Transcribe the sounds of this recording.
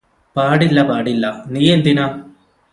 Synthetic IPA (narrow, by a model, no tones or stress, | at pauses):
paːɽilːɐpaːɽilːɐniːjend̪inɐ